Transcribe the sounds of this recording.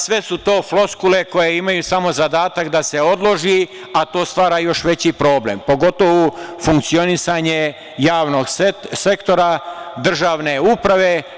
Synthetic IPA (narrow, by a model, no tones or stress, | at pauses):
sʋe̞sut̪o̞ːflo̞skule̞ko̞jeimajusamo̞zad̪aːt̪akd̪ase̞o̞d̪lˠo̞ʒi | at̪o̞ːst̪ʋaːɾajo̞ʃʋe̞t͡ɕipɾo̞ːblḛmpo̞ɡo̞t̪o̞ʋufuŋkt̪sio̞nisaɲe | jaːʋno̞ɡsse̞kt̪o̞ɾad̪r̩ʒaːʋne̞uːpɾaʋe̞